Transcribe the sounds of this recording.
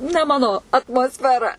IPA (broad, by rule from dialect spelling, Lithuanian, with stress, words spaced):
nʲɛ ˈmɑːnoː ɐtmoːsʲfʲɛˈrɐ